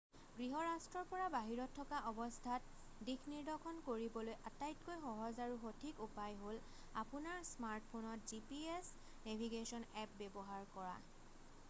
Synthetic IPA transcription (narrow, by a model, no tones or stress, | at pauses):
ɡɹiɦɔɹastɹɔɹpɔɹabaɦiɹɔtʰːɔkaʔɔbɔstʰat̚ | dikʰniɹdɔkʰɔnkoɹibɔlojʔatajtkojxɔɦɔzaɹuxotʰikupajɦol | apunaɹsmaɹt̚pʰonɔtzipies | nebʱiɡesɔnɛp̚bɛbɔɦaɹkɔɹa̰